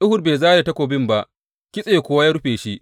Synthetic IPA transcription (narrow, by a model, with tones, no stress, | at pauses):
ɗʊ˦hʊ˨rbeː˨zaː˦da˨tɐ˦kʷoː˨bɪ˦mba˦ʔ | kʲɪ˦sʼeː˨kʷoː˦wa˦ja˦ɽʊ˦ɸeː˨ʃi˦ʔ